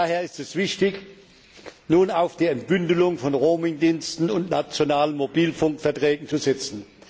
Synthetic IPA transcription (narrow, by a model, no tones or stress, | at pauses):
heːɐɪstɛsv̥ɪçtɪç | nuːnaʊfd̥iːɛntb̥ʏndəlʊŋfɔnʁoːmɪŋdiːnstn̩ʊntnat͡sjonaːlənmobiːlfʊŋkfɛɐtʁ̥ɛːɡŋ̩t͡suzɛt͡sn̩